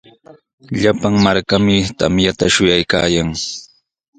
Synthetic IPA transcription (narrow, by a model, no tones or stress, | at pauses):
ʎapaŋmaɾkamɪt̪a̰mjat̪aʃʊjajka̰ːjaŋ